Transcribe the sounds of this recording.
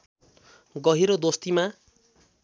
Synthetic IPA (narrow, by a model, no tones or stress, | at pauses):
ɡʌɦiɾod̪ost̪ima